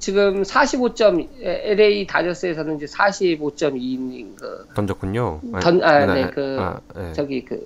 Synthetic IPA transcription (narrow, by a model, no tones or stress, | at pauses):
t͡ɕiɡɯmsʰaɕʰibot͡ɕ͈ʌmeeɾeitad͡ʑʌs͈ɯe̞sʰʌnɯnid͡ʑesʰaɕʰibot͡ɕ͈ʌminːinɡɯ̰tʌnd͡ʑʌk͈ʰuɲoʌnaekɯt͡ɕʌɡikɯ̰